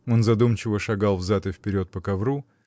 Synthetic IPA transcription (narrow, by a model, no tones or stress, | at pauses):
o̞nzɐd̪umt͡ɕɪvəʂɐɡalˠvzat̪ɨfʲpʲɪɾʲo̞t̪̚pəkɐvɾu